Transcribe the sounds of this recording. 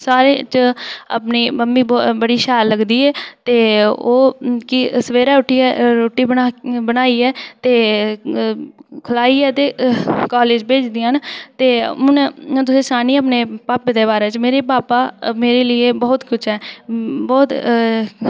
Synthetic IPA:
saːɾeːt͡ʃəə̰pniːməmːiːbbəɽiːʃɛːlləɡd̪iːɛːt̪eːoːkɪsəʋeːɾaːʊʈʰːiːɛːɾoːʈːiːbəabənaːiːɛːt̪eː | kʰʊlaːiːɛːt̪eːkaːleːd͡ʒbeːt͡ʃd̪iːãːnt̪eːʊnt̪ʊsẽːsaːniːəpneːpaːped̪eːbaːɾeːt͡ʃmeːɾeːpaːpaːmeːɾeːlɪeːbɔːt̪kʊt͡ʃʰɦɛːbɔːt̪

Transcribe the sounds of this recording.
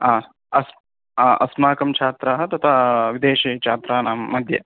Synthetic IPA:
aː | ɐs | aːʔɐsmaːkɐmt͡ʃʰaːt̪ɾaɦɐt̪ɐt̪ʰaːʋid̪eːʃiːt͡ʃʰaːt̪ɾaːnaːmːɐd̪ʱjɐ̰

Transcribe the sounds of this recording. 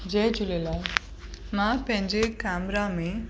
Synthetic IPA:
d͡ʒɛjd͡ʑulela | mãpɛ̃ɲd͡ʑekamɾamẽ

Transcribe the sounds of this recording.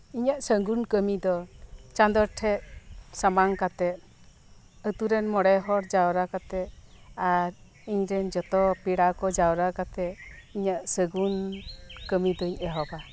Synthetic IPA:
iɲaʔsəŋɡunkəmid̪ɔt͡ʃand̪ɔɾʈʰɛʔsamaŋkat̪ɛʔ̚ | ət̪uɾɛnmɔɽɛɦɔɾd͡ʒawɾakat̪ɛaɾ | iɲɾɛnd͡ʒɔt̪ɔpiɽakɔd͡ʒawɾakat̪ɛiɲaʔsəɡunkəmid̪ɔiɲɛɦɔba

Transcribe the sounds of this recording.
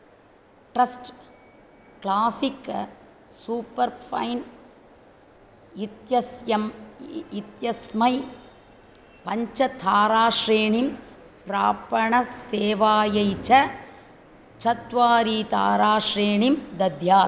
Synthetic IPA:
ʈɾɐsʈ | klaːsɪkːɐ | suːpːɐɾfʰɐ̰jn | ɪt̪jɐsjɐmɪt̪jɐsmɐɪ | pɐɲt͡ʃɐt̪ʰaːɾaːʂɾeːɳim | pɾaːpɐɳɐseːʋaːjɐɪt͡ʃɐ | t͡ʃɐt̪ʋaːɾit̪ʰa̰ːɾaːʂɾeːɳimd̪ɐd̪ʱjaː

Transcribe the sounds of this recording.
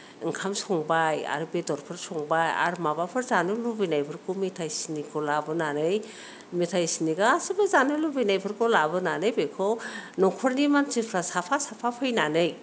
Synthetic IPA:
ŋkʰamsɔŋbaja̰ɾubedɔɾpʰɯɾsɔŋbaja̰ɾumabapʰɯɾzanɯlubijnajbʰɯɾkʰumitʰajsinikʰɔlabɯnanɯj | mitʰajsiniɡaasɯbɯzanɯlubinajpʰɯɾkʰɔlabɯnanɯjbekʰɔnɔkʰɔɾnimant͡ʃipʰɾasapʰasapʰapʰɯjnanɯj

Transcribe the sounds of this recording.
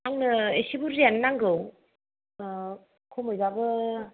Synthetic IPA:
aŋnɯesibuɾenːaŋɡɯw | kʰomɯjzabɯ

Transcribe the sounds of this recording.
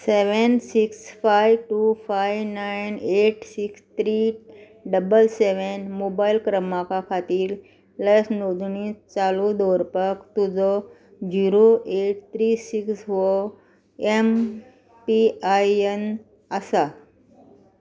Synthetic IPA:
seʋənsiksfajʋʈufajʋnajneʈsikst̪ʰɾi | ɖəbəlseʋenmobailkɾəmakakʰat̪iːɾ | ləsnod̪ɳist͡salud̪ɔɾpəkt̪ud͡zɔ | d͡ʑiɾoeʈ̚t̪ɾisiksʋo | em | piajen | əsa

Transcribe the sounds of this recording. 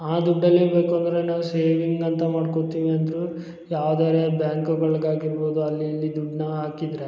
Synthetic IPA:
aːd̪uɖːɐlːibe̞ːkuɐnd̪ɐɾenaːʋuse̞ːʋiŋɡɐnt̪ɐmaːɖkot̪iːʋiɐnd̪ɾu | jaːʋd̪aːɾebjaːŋkuɡɐɭɡaːɡiɾbo̞ːd̪uɐlːiɐlːid̪uɖnɐɦaːkid̪ɾe

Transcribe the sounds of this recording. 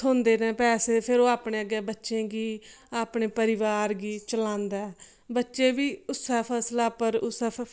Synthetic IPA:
õːnd̪eːnɛ̃ːpɛːseːpʰɪɾoːaːpɳeːəɡɛːbətːʃẽːɡiː | aːpɳeːpəɾɪʋaːɾɡiːt͡ʃəlãːnd̪aːɛː | bətːʃeːʋiːʊsɛːpʰɛːslaːpəɾʊsɛː

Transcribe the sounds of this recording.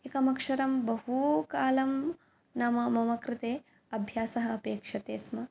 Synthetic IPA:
ekɐmɐkʂɐɾɐmbɐɦukaːlɐm | nɐmɐmɐmɐkɾɪt̪eː | ɐbʱjaːsɐɦɐ̆ɐpeːkʂɐt̪eːsmɐ

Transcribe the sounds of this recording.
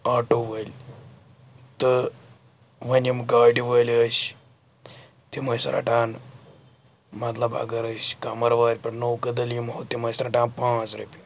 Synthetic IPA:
aːʈoːʋəlʲ | t̪ɨ | ʋɐnimkaːɖiʋəlʲəs | t̪imɐsɾʔa̰ːʈaːn | mɐt̪lɐba̰ɡɐɾəskamɐɾʋaːɾʲpɐʈnowkɐd̪ɐljimɦoːt̪imɐsɾɐʈãːnpãːt͡sɾɐpʲi

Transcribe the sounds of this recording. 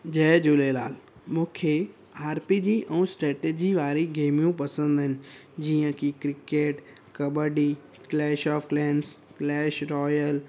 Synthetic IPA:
d͡ʑɛːd͡ʑʊlela̰ːlmũːkʰe | aːɾpid͡ʑiːʔɛ̃ːsʈɾɛːʈeːd͡ʑiʋaːɾiɡeːmijũpɐsə̃nd̪ɦɪnɪ̆d͡ʑiːə̃kʰikɾɪkeːʈ | kɐbəɖi | klɛːʃɔːfklɛːns | klɛːʃɾɔːjəl

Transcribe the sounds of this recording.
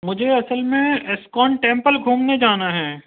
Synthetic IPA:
mʊd͡ʒʱeɐsəlmẽɪskɔːɳʈẽːmpəlɡʱuːmned͡ʒaːnaɦɛː

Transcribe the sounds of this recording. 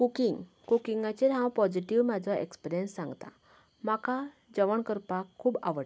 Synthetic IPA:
kukiŋɡ | kukiŋɡat͡ɕeɾãwpɔd͡ʑiʈiʋmad͡zʱaʔḛkspiɾijənsːãŋɡt̪a̰ | maka | d͡zəʋəɳkəɾpakʰːuːba̰ʋəɽ

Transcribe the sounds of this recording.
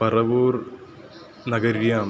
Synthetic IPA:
pɐrɐʋuːr | nɐɡɐɾjaːm

